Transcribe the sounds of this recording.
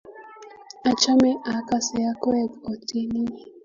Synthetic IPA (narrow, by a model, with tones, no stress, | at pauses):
a˨t͡ʃa˦mɛ˦ʔa˨˦ka˦˨sɛ˨a˦kɔ˦ɛ˦˨ko˨ti˦ni˦˨